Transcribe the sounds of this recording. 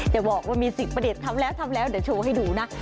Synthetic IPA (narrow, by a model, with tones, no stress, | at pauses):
t͡ɕa˨˩ɓɔ˨˩k̚ka˧˩mi˨˩si˨˩maː˧˥ɗi˨˩t̚t̪ʰa˧mlɛː˨˦wt̪ʰa˧mlɛː˨˦wɗe˨˧˩t͡ɕʰo˨˩ha˧jɗu˧˩˦na˨˦